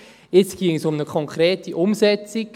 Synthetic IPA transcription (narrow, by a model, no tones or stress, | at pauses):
ɪt͡skiəŋəsʊmnəkʰɔŋkʰɾeːtiʔʊmsɛt͡sik